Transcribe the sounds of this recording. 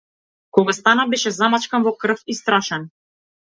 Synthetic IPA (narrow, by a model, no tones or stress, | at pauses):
kɔɡast̪anabɛʃɛzamat͡ʃkanvɔkr̩fist̪ɾaʃɛn